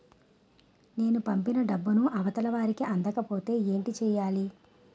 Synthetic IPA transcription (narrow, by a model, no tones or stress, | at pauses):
ne̞ːnupɐmpinɐɖɐbːunuʔɐʋɐt̪ɐlɐʋaːɾikiʔɐnd̪ɐkɐpo̞ːt̪e̞ːe̞ːɳʈit͡ʃɛːjaːli